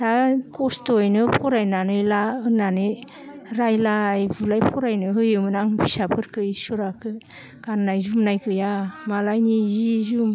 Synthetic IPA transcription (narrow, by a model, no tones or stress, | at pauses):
takɔstojnɯpʰɔɾajnanɯjlaɯnanɯ | ɾajlaːjbulajpʰɔɾajnɯɦɯjɯmɯnaŋbʰisapʰɯɾkʰɯjsuɾakʰɯ | kannajzumnajkʰɯjamalajnizizum